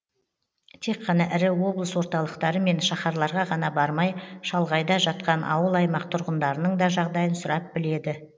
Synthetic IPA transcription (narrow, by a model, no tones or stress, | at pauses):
t̪ʰe̞kqʰːɑnɑʔɪɾɪwo̞blˠəswo̞ɾt̪ɑlˠəqt̪ɑɾəme̞nʃɑχɑɾlˠɑɾʁɑʁɑnɑbɑɾmɑjʃɑlˠʁɑjd̪ɑʒɑt̪̚qɑnʔɑ̰wəlˠɑjmɑq̚t̪ʰʊɾʁənd̪ɑɾənəɴd̪ɑʒɑʁd̪ɑjənsʊɾɑp̚bɪle̞d̪ɪ